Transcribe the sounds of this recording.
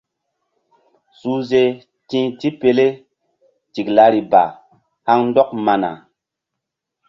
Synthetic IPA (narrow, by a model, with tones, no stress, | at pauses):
suː˦ze˦ | tĩ˦ti˦pe˨le˦ | ti˨kla˨˦ɾi˨ba̰˨ | ha˦ŋn˦dɔ˦k̚ma˨na̰˨